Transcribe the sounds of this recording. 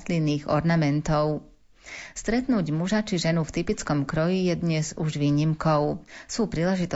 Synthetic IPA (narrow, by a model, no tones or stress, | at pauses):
linːiːɣɔ̰ɾnamɛnt̪ɔʊ | st̪ɾɛt̪nuːɟmuʒat͡ʃiʒɛnuft̪ipit͡skɔmkɾɔjijɛd̪ɲɛzuʒʋiːɲimkɔʊsuːpɾiːlɛʒit̪ɔ